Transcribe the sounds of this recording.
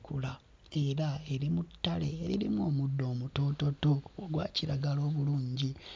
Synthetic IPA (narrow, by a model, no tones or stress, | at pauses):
kula | e̞ɾae̞ɾimutːale̞̰ːɾḭɾimo̞ːmudːo̞ːmuto̞to̞toːɡwa̰ːciɾaɡalo̞ːβuluːɲɟi